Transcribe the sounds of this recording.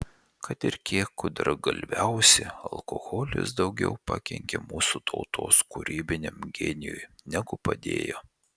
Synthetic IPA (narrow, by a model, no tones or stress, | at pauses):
kɐt̪ɪɾkʲiɛkʊd̪ɐɾɡɐlʲʋʲæʊsʲɪɐlˠkoɣoːlʲʊ̰s̬d̪ɒʊɡʲɛ̰ʊpɐkʲɛŋʲkʲeːmuːsut̪ʰɐʊt̪ʰo̰ːskʊɾʲiːbʲɪnʲemɡʲɛnʲɪjṵjnʲɛɡʊpɐd̪ʲḛːjoː